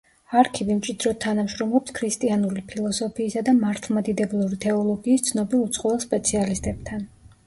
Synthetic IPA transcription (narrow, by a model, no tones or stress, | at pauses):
aɾkʰivimt͡ʃʼid̪ɾɔt̪ʰːanamʃɾɔmlˠɔpskʰɾist̪ʼianulipʰilˠɔsɔpʰiːsad̪amaɾt̪ʰlˠmad̪id̪ɛblˠuɾit̪ʰɛɔlˠɔɡiːst̪sʰnɔbilˠut̪sʼqʼɔvɛlˠspʼɛt̪sʰialist̪ʼɛb̥t̪ʰan